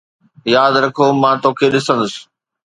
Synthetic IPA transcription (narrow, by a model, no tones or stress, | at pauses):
jaːd̪ɾɐkʰomãt̪oːkʰeɗɪsə̃nd̪ʊsɪ̥̆